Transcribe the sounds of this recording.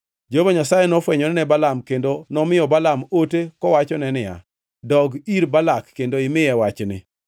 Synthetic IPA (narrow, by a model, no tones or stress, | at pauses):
d͡ʒovaɲasajɛnɔfwɛɲɔnɛnɛbalamkendonɔmɪjɔbalamotekɔwat͡ʃɔnɛnɪja̰ | dɔɡiɾbalakːendoɪmɪjɛwat͡ʃnɪ̰